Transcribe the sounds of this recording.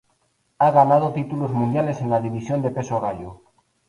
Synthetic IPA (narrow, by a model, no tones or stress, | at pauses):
aɣanað̞ot̪it̪uluzmũnd̪jale̞se̞nlaðiβisjo̞nd̪e̞pe̞soɣaʎu